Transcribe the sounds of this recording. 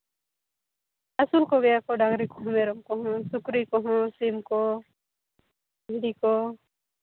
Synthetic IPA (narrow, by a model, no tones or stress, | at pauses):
asulkɔɡɛjakɔɖaɡɾikɔɦɔ̃mɛɾɔmkɔɦɔ̃sukɾikɔɦɔ̃simkɔ | bʱiɽikɔ